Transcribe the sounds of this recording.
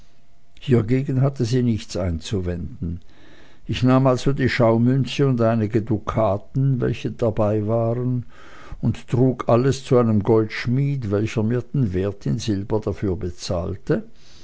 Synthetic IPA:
hiːɐɡeːɡn̩ɦatəziːnɪçt͡sʔaɪnt͡suvɛndn̩ | ʔɪçnaːmalzodiːʃaʊmʏnsəʊndʔaɪnɪɡədukʰaːtn̩vɛ̰lçəd̥abaɪvaːʁən | ʊnttʁ̥uːkʔaləst͡suaɪnəmɡɔltʃmiːtvɛlçɐmiːɐd̥envɛːɐtʰɪnzɪlbɐd̥afyːɐbət͡sa̰ːltə

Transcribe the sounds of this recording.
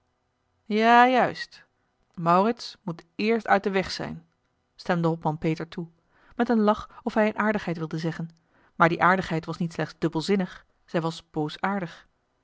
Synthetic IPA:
jaːjœɥst | mɑwrɪtsmutɪːɹstœɥt̚dəʋɛχsɛ̰jn | stɛmdəɦɔpmɑnpejtəɹtu | mɛtənlɑχɔfɦɛjənʔaːɹdəχɦɛjtʋɪlˠdəzɛχən | maːɹdiʔaːɹdəχɦɛjtʋɑsnitslɛχdzd̥ɵbəlˠzɪnəχ | z̥ɛjʋɑsb̥owsaːɹdəχ

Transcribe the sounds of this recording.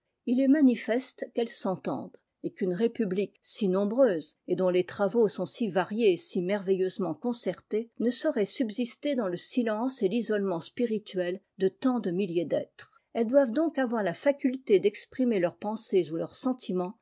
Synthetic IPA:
ilɛmanifɛst̪kɛlsɑ̃t̪ɑ̰̃d̪ | ekynʁepybliksinɔ̃bʁøːzed̪ɔ̃let̪χavosɔ̃sivaʁjeesimɛʁvɛjøzmɑ̃kɔ̃sɛʁt̪enəsɔʁɛsybzist̪ed̪ɑ̃ləsilɑ̃selizɔlmɑ̃spiʁit̪ɥɛl | d̪ət̪ɑ̃d̪əmiljed̪ɛt̪χ | ɛld̪wavd̪ɔ̃kavwaʁlafakʲylt̪ed̪ɛkspχimelœʁpɑ̃sezulœʁsɑ̃t̪ʰimɑ̃

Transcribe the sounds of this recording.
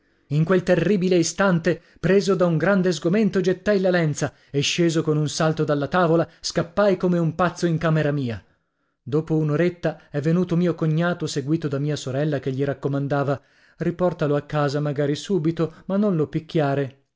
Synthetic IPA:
iŋkwelt̪erːiːbileist̪ant̪e | pɾeːzod̪auŋɡɾand̪ezɡoment̪od͡ʒet̪ːajlalɛnt̪sa | eʃːeːzokonunsalt̪od̪alːat̪aːvolaskapːajkomeumpat̪sːoiŋkaːmeɾamiːa | d̪oːpounoɾet̪ːaɛvːenuːt̪omiːokoɲːaːt̪oseɡwiːt̪od̪amiːasoɾɛlːakeʎːiɾakːomand̪aːva | ripɔrt̪aloakːaːzamaɡaːɾisuːbit̪omanːonlopik̟ʲːjaːɾe

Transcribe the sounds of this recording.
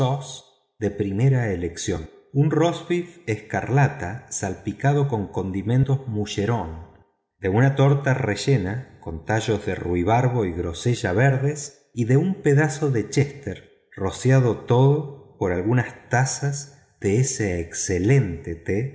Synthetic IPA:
sos | d̪e̞pɾime̞ɾaeleksjo̞n | unrosβifeska̰ɾlat̪asalpikað̞o̞ko̞ŋko̞nd̪imẽ̞nt̪ozmuʃe̞ɾo̞n | d̪e̞unat̪o̞ɾt̪areʒe̞nako̞nt̪aʒo̞zðeruiβ̞aɾβo̞iɣɾo̞seʒaβeɾðes | iðeumpe̞ðaso̞ðe̞t͡ʃest̪eɾ | ro̞sjaðo̞t̪o̞ðopo̞ɾalɣunast̪asaz | ðeeseːksele̞nt̪et̪e

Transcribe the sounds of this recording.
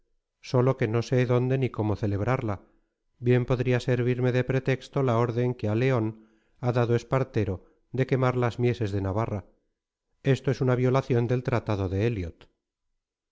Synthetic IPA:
so̞lo̞ke̞no̞se̞ðo̞nd̪e̞niko̞mo̞θe̞le̞βɾaɾla | bje̞mpo̞ðɾiase̞ɾβiɾme̞ðe̞pɾe̞t̪e̞kst̪o̞lao̞ɾðe̞ŋkeale̞o̞n | aðaðoe̞spaɾt̪e̞ɾo | d̪e̞ke̞maɾlazmje̞se̞zðenaβara | e̞st̪oe̞sunaβjo̞laθjo̞nd̪e̞lt̪ɾat̪aðo̞ðeeljot̪

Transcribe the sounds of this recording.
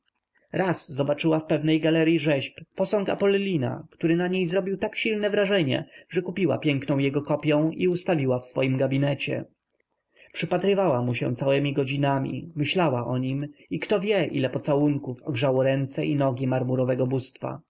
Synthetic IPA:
ɾʔazːɔbat͡ʂɘwafpɛvnɛjɡalɛɾjiʐɛɕppɔsɔ̃ŋka̰pɔllʲːina̰kt̪uɾɘnaɲejzɾɔbʲiwt̪akɕilnɛvɾaʐɛɲɛ̰ʐɛkupʲiwa̰pʲjɛŋknɔ̃w̃jɛɡɔkɔpʲjɔ̃w̃iust̪avʲiwafsfɔ̰jimɡabʲinɛt͡ɕɛ̰ | pʂɘpat̪ɾɘvawamuɕɛ̰̃t̪sawɛmʲiɡɔd͡ʑinamʲḭmɘɕlawaʔɔɲimikt̪ɔvʲjɛʔḭlɛpɔt̪sawuŋkufɔɡʐawɔɾɛnt̪sɛʔinɔɡʲimaɾmuɾɔvɛɡɔbust̪fa̰

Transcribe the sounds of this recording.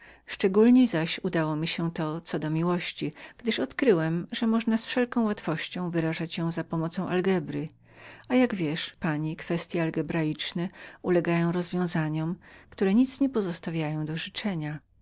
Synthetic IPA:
ʂt͡ʂɛɡulɲejzaɕud̪awɔmʲiɕɛt̪ɔt̪sɔd̪ɔmʲiwɔɕt͡ɕiɡ̥d̪ɘʂɔt̪kɾɘwɛmʐɛmɔʐnasfʂɛlkɔ̃w̃wat̪fɔɕt͡ɕɔ̃w̃vɘɾaʐat͡ɕjɔ̃w̃zapɔmɔt̪sɔ̃w̃ʔalɡɛbɾɘ | ajaɡvʲjɛʂpaɲikfɛst̪ʲjɛalɡɛbɾajit͡ʂnɛulɛɡajɔ̃w̃ɾɔzvʲjɔ̃w̃zaɲɔmkt̪uɾɛɲit̪sɲɛpɔzɔst̪avʲjajɔ̃w̃d̪ɔʐɨt͡ʂɛɲa

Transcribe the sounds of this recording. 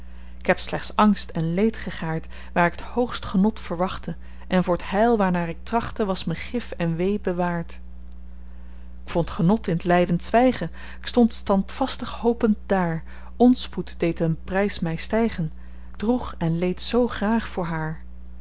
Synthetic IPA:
ɪ̥kɦɛpslɛχtsɑŋstɛnlejtχəχaːɹt | ʋaːɹɪkɦəthowχstχənɔtfəɹʋɑχtə | ʔɛnvʊːɹəthɛjlˠʋaːɹnaːɹɪk̚trɑχtəʋɑsməχɪfɛnʋejbəʋaːɹt | ɪkfɔntχənɔtɪnətlɛjdəntsʋɛjχə | ɪkstɔntstɑntfɑstəχhowpəntdaːɹ | ɔnsputdejtənprɛjsmɛjstɛjχən | d̥ruχɛnlejtsowχraːχfʊːɹɦaːɹ

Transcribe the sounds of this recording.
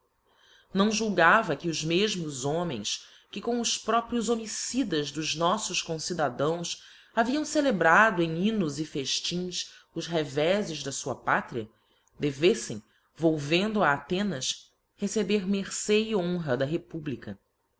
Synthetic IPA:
nɐ̃w̃ʒuwɡavɐkɪʊʒmeʒmʊzõmẽj̃s | kɪkõw̃ʊspɾɔpɾjʊzomisid̪ɐʒd̪ʊʒnɔsʊʃkõsid̪ad̪ɐ̃w̃s | aviɐ̃w̃selebɾad̪ʊẽj̃ĩnʊzɪfeʃt͡ʃĩsʊʃɦevɛzɪʒd̪ɐsuɐpat̪ɾiɐ̰ | d̪evesḛ̃j̃ | vowvẽnd̪ʊaːt̪ẽnɐs | hesebeɾmeχseiõɦɐd̪ɐɦepublikɐ

